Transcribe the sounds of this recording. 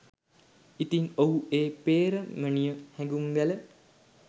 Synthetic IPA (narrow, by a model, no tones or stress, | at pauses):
it̪iŋoɦueːpeːɾəmənijəhɛ̃ŋɡuŋɡælə